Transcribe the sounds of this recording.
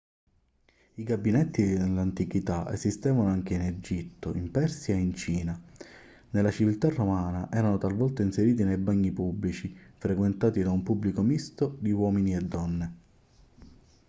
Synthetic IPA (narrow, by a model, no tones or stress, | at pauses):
iɡabinet̪ːielːant̪ikit̪aʔḛzist̪ɛːvanoaŋk̟eined͡ʒit̪ːo̰impɛrsjaeint͡ʃiːna | nelːat͡ʃivilt̪arːomaːnaʔɛːɾanot̪alvɔlt̪ainseɾiːt̪inejbaɲːipublit͡ʃifɾekwent̪aːt̪id̪aumpubːlikomist̪od̪iwɔːminied̪ːɔnːe